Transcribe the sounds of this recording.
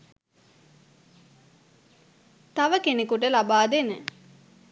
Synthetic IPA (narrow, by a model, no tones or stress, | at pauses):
t̪aʋəkenekuʈəlabaːd̪enə